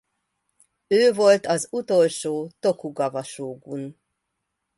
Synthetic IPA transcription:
øːvo̞lt̪ɒzut̪olʃoːt̪okuɡɒvɒʃoːɡun

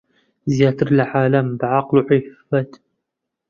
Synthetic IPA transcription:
zjaːt̪ʰɨɾlʕaːlɐmbʕaqluʕifːɐt̪

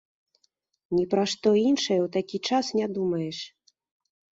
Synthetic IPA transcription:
nʲipɾaʂt̪ɔinʂɐjɛwt̪akʲit͡ʂasnʲad̪umɐjɛʂ

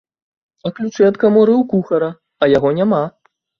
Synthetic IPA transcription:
ɐklʲut͡ʂɨɐt̪kamɔɾɨwkuxɐɾɐ | ɐjaɣɔnʲama

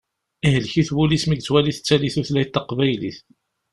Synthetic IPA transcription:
ihəlçiθwulismiɡt͡sːwæliθə̥t͡sːæliθuθlæjt̪ːɑqvæjlḭθ

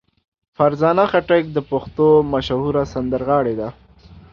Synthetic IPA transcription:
faɾzɑːnaxaʈək̚d̪əpʊxt̪omaʃahuɾasand̪əɾɣɑɽed̪a

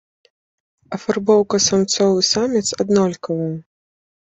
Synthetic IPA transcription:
ɐfarbɔwkɐsamt̪sɔvɨsamʲit̪sad̪nɔlʲkɐvɐjɛ

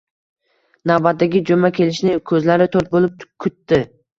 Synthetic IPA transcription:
nawbat̪̚d̪aɡʲɪd͡ʒomakʲʰe̞lɪʃnɪkʰɵzlaɾɪt̪ʰoɾt̪̚bolˠɪp̚kʲʰʊt̪ːɪ

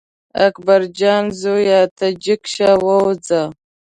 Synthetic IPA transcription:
a̰kʰbaɾd͡ʒaːnzojaːtʰad͡ʒɪkʃawawd͡za

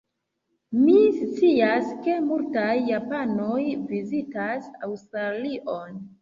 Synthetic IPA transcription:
mist͡siaske̞multajːapanojvizitasa̰wstɾaliʔon

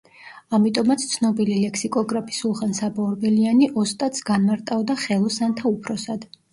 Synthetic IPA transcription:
amit̪ʼɔmat̪sʰt̪sʰnɔbililɛkʰsikʼɔɡɾapʰi̥sulˠχansabɔɾbɛlianiʔɔst̪ʼat̪sɡanmaɾt̪ʼavd̪aχɛlˠɔsant̪ʰaupʰɾɔsad̪̥

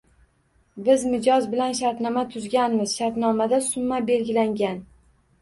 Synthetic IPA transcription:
bɪzmɪd͡ʒɒzbɪlanʃaɾt̪nɒmat̪ʰʊzɡʲanmɪz̥ʃaɾt̪nɒmad̪asʊmːabe̞lɡʲɪlaŋɡʲan

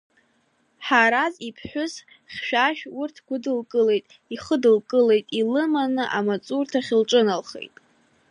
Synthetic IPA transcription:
ħaɾazipʰħʷᶣʊz | χʲʃᶣaʃᶣurtʰɡʷʊdɨlkʼɨle̞jtʼ | iχədɨlkʼɨle̞jtʼilɨmanɨʔamat͡sʼurtʰaχʲɪlʈ͡ʂʼɨnalχḛjtʼ

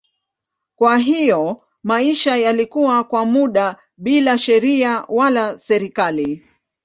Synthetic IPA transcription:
kwaɦijɔ | maiʃajalikuwakwamuɗa | ɓilaʃɛɾiawalasɛɾikali

